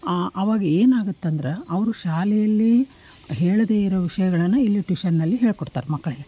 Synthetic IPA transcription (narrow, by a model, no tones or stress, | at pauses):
ʔɐʋaːɡɐeːnaːɡut̪ːɐnd̪ɐɾe̞ɐʋɐɾuʃaːlɛjɐlːi | ɦeːɭɐd̪eːiɾoʋiʂɐjɐɡɐɭɐnːuilːiʈʋiʃɐnːɐlːiɦeːɭkɔɽt̪a̰ːɾemɐkːɐɭe